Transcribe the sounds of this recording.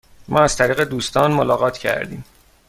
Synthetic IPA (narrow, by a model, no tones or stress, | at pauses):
mʔɒ̰ːæz̥t̪ʰæɾiːɣe̞d̪uːst̪ʰɒːnmolɒːɣɒːt̪ʰcʰæ̰ɾd̪iːm